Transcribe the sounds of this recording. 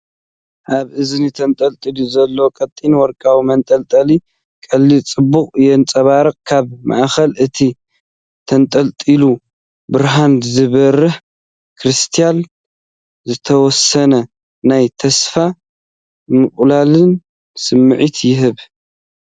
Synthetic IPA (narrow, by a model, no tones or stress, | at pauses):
ʔaβʔɨzɨnit̪ʰɐnt̪ʼɐlt̪ʼiluzɐlːokʼɐt̪ʼːinwɔɾkʼawimɐnt̪ʼɐlt̪ʼɐli | kʼɐlːit͡sʼɨbuχʼjɛnt͡sʼɐβaɾɨkʼkʰaβma̰ʔxɐlʔɨt̪ʰi | t̪ʰɐnt̪ʼɐlt̪ʼilu | bɨɾɦanzɨβɐrːɨħ | kʰɾɨst̪ʰijan | zɨt̪ʰɐwɔsɐnɐ | najt̪ʰɐsfa | mɨχʼlalɨn | sɨmːɨʕit̪jɪɦɨβ